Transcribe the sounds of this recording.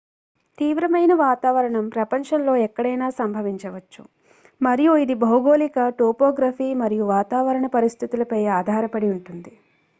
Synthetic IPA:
t̪iːʋɾɐmɐjnɐʋaːt̪aːʋɐɾɐɳɐmpɾɐpɐnʂɐnlo̞ːɛkːɐɽɐjnaːsɐmbʱɐʋiɲt͡ʃɐʋɐt͡ʃːṵ | mɐɾijuid̪ibʱɐwɡoːlikɐʈoːpoːɡɾaːfiːmɐɾijuʋaːt̪aːʋɐɾɐɳɐpɐɾist̪ʰit̪ulɐpɐjaːd̪ʱaːɾɐpɐɽiuɳʈund̪i

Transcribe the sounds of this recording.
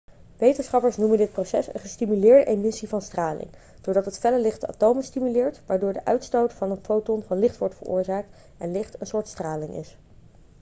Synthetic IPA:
ʋejtənsχɑpəɹsnuməndɪt̚prosɛsə̰nχəstimylɪːɹdəʔemɪsivɑnstraːlɪ̰ŋ | d̥ʊːɹdɑtɦətfɛləlɪχtəa̰ːtowməstimylɪːɹtʋaːɹdʊːɹdəʔœɥtstowtfɑnənfowtɔnvɑnlɪχtʋɔɹtfəɹʊ̰ːɹzaːk̚t | ɛnlɪχtənsʊːɹtstraːlɪŋʔɪ̰s

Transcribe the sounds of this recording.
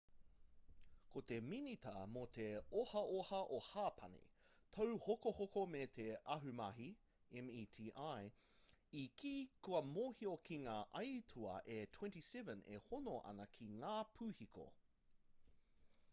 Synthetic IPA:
kʰot̪eminit̪ɐ̰mot̪ʰeohɐʔohɐʔohaːpʰɐnḭt̪ʰɐwhokohokomet̪ʰeɐɦʉmɐɦi | ɛmiːtʰiːʔaj | ikʰiːkuɐmoːhiokʰiŋaːʔɐjt̪ʰuɐ̰ʔet̪ʰwɛ̃ntisɛvə̃nḛhonoʔɐ̰nɐkʰiŋaːpʰʉːhikʰo̰

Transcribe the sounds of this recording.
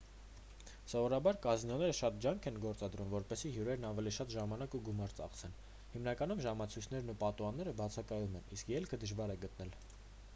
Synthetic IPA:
sɔvɔɾɑbɑɾkɑznɔnɛɾəʃɑt̪̚d͡ʒjɑŋkʰɛnɡɔɾt͡sɑd̪ɾumvɔɾpɛsiɦjuɾɛɾnɑvɛliʃɑt̪ʒɑmɑnɑkuɡumɑɾt͡sɑ̰χt͡sʰɛn | himn̪ɑkɑnumʒɑmɑt͡sʰujt͡sʰnɛɾnupɑt̪uɑnːɛɾəbɑt͡sʰɑkɑjumɛniskjɛlkʰəd̪əʒvɑɾɛɡət̪nɛl

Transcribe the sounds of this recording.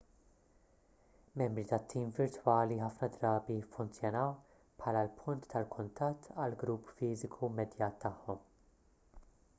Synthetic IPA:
mɛmbɾit̪ɐt̪ʰːiːmvɪɾt̪wɐːliħɐfnɐd̪ɾɐːbifːʊnt͡sjɔnɐw | pħɐːlɐlpʰʊnt̪ːɐlkʰʊnt̪ɐt̪ːɐlɡɾuːpːfiːzɪkʰumɛd̪jɐːt̪ːɐħːɔm

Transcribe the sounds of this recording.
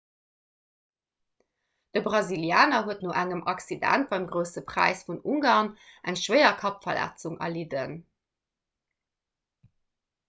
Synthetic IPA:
d̥əbʁɑziljaːnɐɦuətnoːʔæŋəmʔɑksidæ̰nt̚b̥ɑɪmɡʁəʊsəpʁ̥æ̰ɪsfunuŋɡaːʁnʔæŋʃwɜɪɐkʰɑpfɐlæ̰t͡suŋɐ̰lidən

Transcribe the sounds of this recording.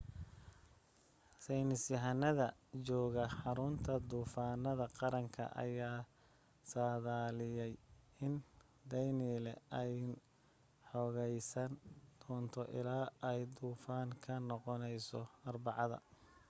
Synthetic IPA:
sɛjnɪsjɐɦɐnːɐðɐt͡ʃɔːɣɐħɑɾʊnt̪ʰɐd̪uːfaːnɐðɐqɑɾɐŋkʰɐ̰ʔɐ̰jaː | saːðaːlɪjɛj | ɪn | d̪ɛjniːlɛɛj | ħɔɣɛjsɐnd̪̥ɔːnt̪ʰɔʔɪ̰laːʔɛjd̪uːfaːŋkʰɐnɔqɔnɛjsɔɐrbɑʕɑðɐ̰

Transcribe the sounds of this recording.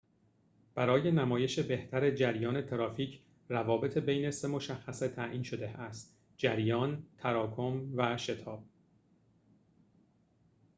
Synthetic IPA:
b̥æɾɒːje̞næmɒːje̞ʃe̞be̞ht̪ʰæɾe̞d͡ʒæɾjɒːne̞t̪ʰeɾɒːfiːcʰ | rævɒːbe̞t̪ʰebejne̞se̞mo̞ʃæxːæset̪ʰæʔiːnʃo̞d̪e̞æst̪ | d͡ʒæɾjɒːnt̪ʰæɾɒːkʰo̞mvæʃe̞t̪ʰɒːb̥̚

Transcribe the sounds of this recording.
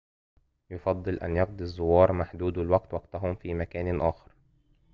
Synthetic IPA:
jofɑd̪ˤːɨlʔæ̰njɑq̚d̪ˤizˤːʊwɑːɾˤmaħd̪uːd̪ɪlwaɡt̪wɑɡt̪aɦʊmfiːmækæːnʔaːxɑ̥ɾ

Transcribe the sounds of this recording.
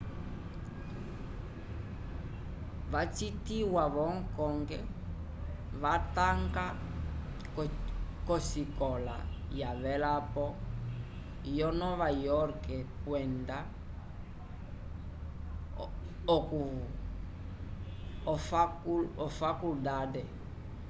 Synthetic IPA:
βat͡ʃitiwaβɔŋ̩kɔŋɡɛ | βataŋɡa | kɔsikɔla̰ | jaβɛlapɔ | jɔnɔβajɔɾkɛpwɛnda | ɔku | ɔfakuldadɛ

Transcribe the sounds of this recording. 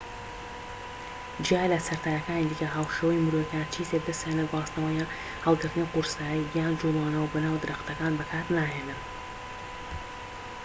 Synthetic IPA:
d͡ʒijaːjlɐsɐɾt̪ʰaːjɐkaːnid̪iːkɐɦaːwʃeːwɐjmɨɾowjɛkaːnt͡ʃʰiːzek̚d̪ɐst̪jaːnlɐbaːsnɐwɐjaː | həlˠɡɨɾt̪ɨnɐjquɾsaːjijjaːnd͡ʒulˠaːnɐwɐbɐnaːwd̪ɨɾaxt̪ɐkaːnbɐkʰaːt̪naːɦeːnɨm

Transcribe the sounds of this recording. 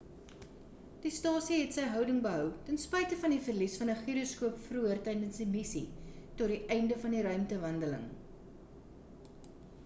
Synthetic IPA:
d̥istɑːsiɦɛtsɛjɦœwdəŋbəɦœwtənspɛjtəfɐndifərlisfɐnəχiɾoskuəpfruərtɛjdənsdimisḭtɔt̚diʔɛjndəfɐndiɾœɥmtəvɐndələ̰ŋ

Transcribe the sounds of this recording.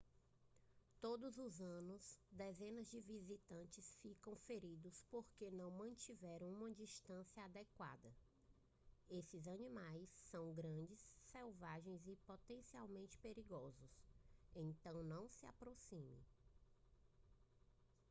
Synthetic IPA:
t̪od̪ʊzʊzɐ̃nʊsd̪ɛzẽnɐzd͡ʒɪvizit̪ɐ̃nt͡ʃɪsfikɐ̃w̃feɾid̪ʊspoɾkenɐ̃w̃mɐ̃nt͡ʃivɛɾɐ̃w̃ũmɐd͡ʒiʃt̪ɐ̃sjɐad̪ɛkwa̰d̪ɐ | esɪzɐnĩmajsːɐ̃w̃ɡɾɐ̃d͡ʒɪsːɛwvaʒẽj̃zɪpot̪ẽsiawmẽnt͡ʃɪ̥peɾiɡɔzʊsẽnt̪ɐ̃w̃nɐ̃w̃sɪa̰pɾosĩmḛ̃

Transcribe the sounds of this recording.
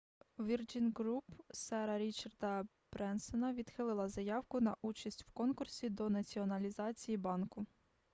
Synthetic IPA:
ʋʲird͡ʒinʲɡɾupsɛɾɐɾʲit͡ʃɐrd̪ɐ | b̥ɾɛnsɔnɐʋʲid̪xɪlˠɪlˠɐzɐjɑwkʊnɐʔut͡ʃɐsʲtʲw̥kɔnkʊrsʲid̪ɔnɐt͡sʲiɔnɐlʲizɑt͡sʲijibɑnkʊ

